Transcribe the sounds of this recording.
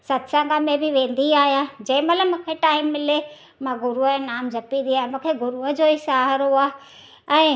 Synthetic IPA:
sɐt̪sãŋɡamẽbɪʋẽːnd̪iaːɦijãd͡ʑɐ̃ɦɪ̃mɐt̪ləmũːkʰeʈaːɪmːɪle | mãɡʊɾũnaːmd͡ʑʱɐpĩnd̪iaːɦemũːkʰeɡʊɾuɦəd͡ʑoːisaːɦəɾɦoaː | ɛ̃ː

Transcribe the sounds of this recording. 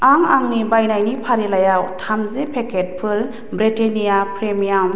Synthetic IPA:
aŋaŋnibajnajnipʰaɾelajawtʰamzepʰekʰet̚pʰɯɾ | bɾitenijapʰɾemijam

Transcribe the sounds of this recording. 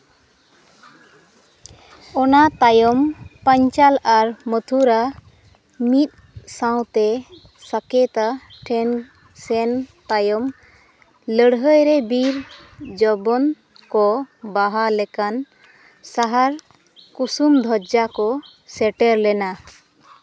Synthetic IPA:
ɔnat̪ajɔmpəɲt͡ʃalaɾmət̪ʰuɾa | mit̪̚ | saw̃t̪ɛ | sakɛt̪aʈʰɛn | sɛnt̪ajɔm | ləɽɦəjɾɛbiɾd͡ʒɔbɔn | kɔbaɦalɛkan | saɦaɾ | kusumd̪ʱɔd͡ʒakɔ | sɛʈɛɾlɛna

